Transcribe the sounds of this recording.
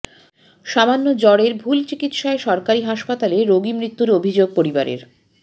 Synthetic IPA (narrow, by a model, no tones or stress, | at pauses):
ʃamanːod͡ʑɔɽeɾbʱult͡ɕikit̪ʃaeʃɔɾkaɾiɦaʃpat̪aleɾoɡimɾit̪ːuɾobʱid͡ʑoɡ̚poɾibaɾḛɾ